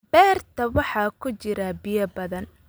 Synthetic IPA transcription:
bɛːrt̪ʰɐwɑħɑːkʰʊt͡ʃɪɾɐbɪjɐbɐðɐn

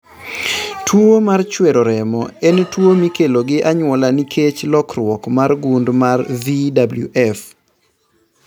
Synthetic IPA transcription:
tʰwomart͡ʃweɾoɾɛmɔɛntwomikeloɡɪʔaɲwɔlanikʰet͡ʃlɔkrwɔkmarɡundmarvidabluʔɛf

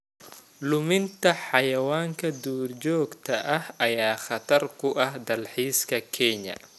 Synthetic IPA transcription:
lʊmɪnt̪ʰɐħɑjɐwaːŋkʰɐd̪uːrd͡ʒɔːɡt̪ʰɐʔɐhɐjaːχɐt̪ʰɐrkʰʊʔɐhd̪ɐlħiːskʰɐkʰɛɲɐ̰

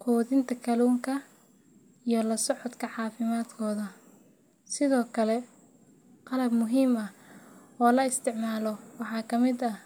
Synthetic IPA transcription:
qʰuːðɪnt̪ʰɐkʰɐluːŋkʰɐ | ijɔlɐsɔʕɔd̪kʰɐħɑːfɪmaːd̪kʰɔːðɐ | sɪðɔːkʰɐlɛ | qɑlɐbmʊɦiːmɐ | ɔːlɐɪst̪ʰɪʕmaːlɔwɑħɑːkʰɐmɪd̪ɐ

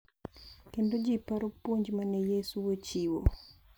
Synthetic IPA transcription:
kendod͡ʒipaɾopwoɲd͡ʒmanɛjesuwot͡ʃiwo̰

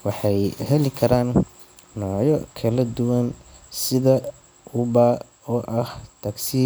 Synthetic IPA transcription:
wɑħɑjhɛlɪkʰɐɾaːnː | ɔːjɔkʰɐlɐd̪ʊwɐn | sɪðɐ | ʊbaː | ɔːʔɐht̪ʰɐksiː

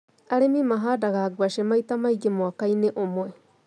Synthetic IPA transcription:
aɾemimaɦadaɡaɡuaʃemajt̪amaiɡemoakajneʔomoe

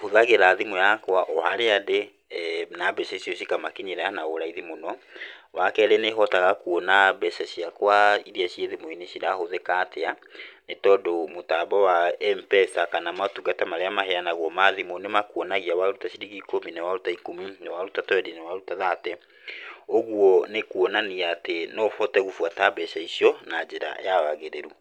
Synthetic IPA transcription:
hoðaɣeɾaðimujakwaʔɔhaɾeade | nabɛɕɛɕiɔɕikamakiɲiɾanaoɾaiðimonɔwakɛɾɛnehɔtaɣakuɔnabɛʃaɕiakwaiɾiaɕieðimuineʃiɾahoðekateanetɔdomotabɔwaɛmpɛsakanamatuɡatamaɾeamaɦɛanaɣwɔmaðimonemakuɔnaɣiawaɾutaɕiɾiɣikominɛwaɾutaikominewaɾutatwɛdinewaɾutaðatɛ | oɣwɔnekuɔnaniaːtenɔhɔtɛɣufwatabɛʃaiɕiɔnad͡ʒeɾa̰jawaɣeɾeɾu

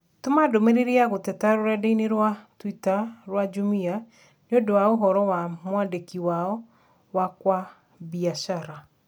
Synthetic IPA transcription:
tomadomeɾeɾeaɣotɛtaɾoɾɛdeineɾwatwitaɾwad͡ʒumia | neodowaoɦɔɾɔwamwadekiwaɔ | wakwa | βiaʃaɾa

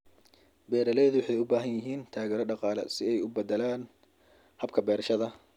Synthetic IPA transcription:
bɛːɾɐlɛːðʊwʊħɑjʊbaːɦɐnjɪɦiːnt̪ʰaːɣɛːɾɔɖɑqɑːlɛ̰sɪɛjʊbɐd̪ɛlaːn | hɐb̚kʰɐbɛːɾʃɐðɐ

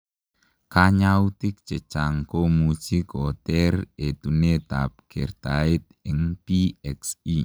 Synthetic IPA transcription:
kaɲaut̪ɪk̚t͡ʃə̥t͡ʃaŋkomusikɔt̪ɛret̪unet̪a̰p̚ɡ̥ɛrt̪aɪt̪̚ɪŋpiɛksi

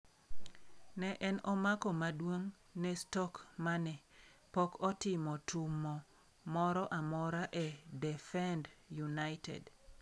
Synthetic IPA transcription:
nɛʔɛnɔmakɔmadwoŋ | nɛstɔkmanɛpɔkɔtɪmɔtʰumːɔ | mɔɾɔʔamɔɾaʔɛdɛfɛndjunaɪtɛ̰d

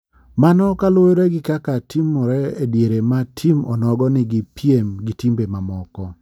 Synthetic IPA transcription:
manɔkalwojɔɾɛɡɪkakatimːɔɾɛedjeɾematʰimɔ̰nɔɡɔnɪɡipʰiemɡitimbemamɔkɔ

